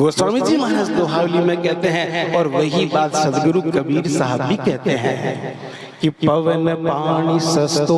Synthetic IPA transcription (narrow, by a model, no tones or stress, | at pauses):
ɡoːswaːmid͡ʒiːmɐɦsd̪oːɦaːwlimẽkɛɦt̪eɦɛ̃ɔːɾʋɐɦibaːt̪sɐd̪ɡɾukɐbiːɾsaɦəblibkɛɦt̪eɦɛ̰̃ | kiɐʋənəpaːɽ̃isɐs